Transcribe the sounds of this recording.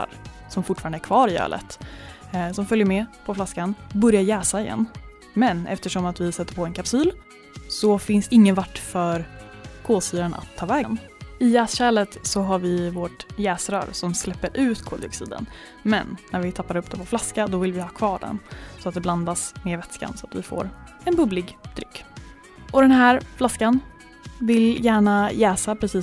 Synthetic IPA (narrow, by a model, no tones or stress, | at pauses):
a̰ɾ | sɔmfʊʈːfɑɾand̪æɾkʰvɑːɾɪœ̰ːlə̰t̪ | sɔmfœljəɾmɛpʰɔflaskanbɵɾjaɾjɛːsaɪjɛ̰nː | mɛnɛ̰ft̪əʂɔmat̪vɪsɛt̪ːəɾpʰɔːɛnkʰapsiːl | sɔfɪnsɪŋːənvaʈːfœɾ | kʰoːsyːɾanʔa̰t̪ʰːɑːvɛːɡn | ɪjɛːsɕɛːlət̪sɔɦaɾvɪvoʈjɛːsɾœ̰ːɾsɔmslɛpːəɾʔʉ̟ːt̪kʰoːd̪ɪɔksḭːd̪ə̰n | mɛ̰nːæɾvɪt̪ʰapːad̪əɵpːd̪ɛpʰɔflaskad̪ɔvɪlvɪhɑːkʰvɑːɖɛ̰nsɔat̪̚d̪ɛbland̪asmeːɾvɛt̪ska̰nsɔat̪vɪ̰fo̰ːɾ | ɛnbɵblɪɡd̪̥ɾʏkː | ʔɔd̪ɛnɦæːɾflaskan | vɪljæːɳajɛːsapʰɾɛsiː